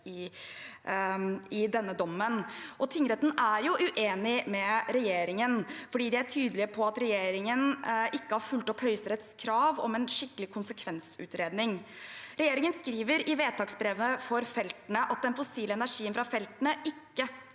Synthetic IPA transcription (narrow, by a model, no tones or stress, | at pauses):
ɪ | ɪd̪ɛnːəd̪ɔmːənʔɔt̪ʰɪŋɾɛt̪ːn̩æɾjʊʔʉʔeːnɪmɛɾɛjeːɾɪŋənfɔɖiːd̪ɛæʈʰyːd̪əlɪəpʰɔɑt̪ɾɛjeːɾɪŋənʔɪkːəhɑɾfʉlt̪ɔphœʏst̪ɾɛt̪skʰɾɑːʋɔ̰mɛnʂɪkːəlɪkʰʊnsəkʰʋɛnsʉ̰ːt̪ɾeːd̪nɪŋɾɛjeːɾɪŋənskɾiːʋəɾɪʋeːt̪ɑːksbɾeʋənəfɔɾfɛlt̪nəʔɑt̪̚d̪ɛnfɔsiːləɛnæʂiːənfɾɑfɛlt̪ənəʔɪkːə